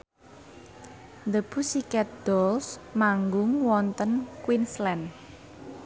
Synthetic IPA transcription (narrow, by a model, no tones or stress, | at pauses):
nd̪əb̥ṳsikɛt̪̚d̪̥ɔlsmaŋɡʊŋwɔnt̪ənkwinslɛn